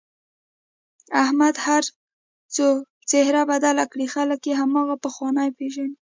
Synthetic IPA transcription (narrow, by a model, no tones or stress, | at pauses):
ahmad̪haɾ | t͡so | t͡sehɾabad̪alakɽixaləkjeɦamɑɣapəxwɑnajpeʒani